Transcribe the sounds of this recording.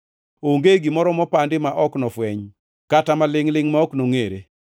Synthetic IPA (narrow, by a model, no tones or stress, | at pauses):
oŋɡeɡimɔɾɔmɔpandɪmaʔɔknɔfwɛɲ | katamalɪŋlɪŋmaɔknoŋeɾḛ